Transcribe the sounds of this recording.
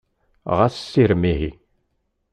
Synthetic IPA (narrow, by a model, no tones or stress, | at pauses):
ʁaθsːiɾmiɦi